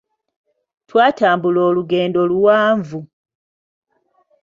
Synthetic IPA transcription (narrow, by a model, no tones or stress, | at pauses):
twaːtaːmbuloːluɡe̞ːndo̞luwaːɱvu